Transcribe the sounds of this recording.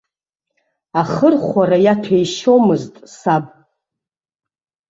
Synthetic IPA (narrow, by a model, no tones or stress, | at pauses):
aχərχʷaɾajatʰejʃo̞mɨztʼsabʼ